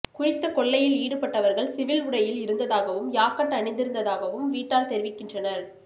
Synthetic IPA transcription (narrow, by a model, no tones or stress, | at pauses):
kʊrɪt̪ːɐkɔɭːɐjɪliːɽɯpɐʈːɐʋɐɾɣɐɭsɪʋɪlʊɽɐjɪlɪɾɯnd̪ɐðaːɣɐʋɯmjaːkɐʈːɐɳɪnd̪ɪɾɯnd̪ɐðaːɣɐʋɯmʋiːʈːaːlt̪ɛɾɪʋɪkːɪndrɐnɐɾ